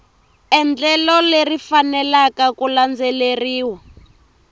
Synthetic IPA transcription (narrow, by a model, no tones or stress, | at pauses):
ɛnd͡ɮɛlɔlerifanɛlakakuland͡zɛleriːwa